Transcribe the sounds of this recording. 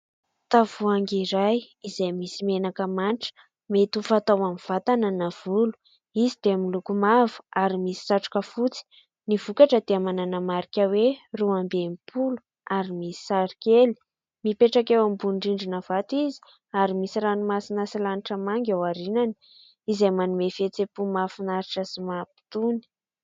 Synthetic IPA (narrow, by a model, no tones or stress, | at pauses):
t̪avuaŋɡiɾaj | izeajmisimenakəmaniʈ͡ʂə̥ | met̪ufat̪awamiv̥at̪anənav̥ulu̥ | izid̪̥eamilukumavu̥aɾimisi̥saʈ͡ʂu̥kəfut͡si̥ | niv̥ukaʈ͡ʂəd̪̥eamananamaɾikʲəweruambemipʰulu̥ | aɾimisi̥saɾikʲeli̥ | mipeʈ͡ʂakewambuɳɖ͡ʐiɳɖ͡ʐinəv̥at̪izi̥ | aɾimisiɾanumasinasilaniʈ͡ʂəmaŋɡʲawaɾinani̥ | izemanumefet͡sepumafunaɾiʈ͡ʂəsimapi̥t̪uni̥